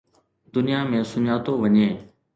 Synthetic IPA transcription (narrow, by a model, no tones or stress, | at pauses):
d̪ʊnijaːmẽːsʊɲaːt̪oːʋəɲẽː